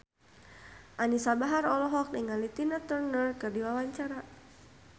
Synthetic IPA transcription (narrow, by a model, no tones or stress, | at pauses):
ʔanisabaɦaɾɔlɔɦɔk̚niŋalit̪inat̪ərnərkɨrdiwawaɲt͡ʃaɾa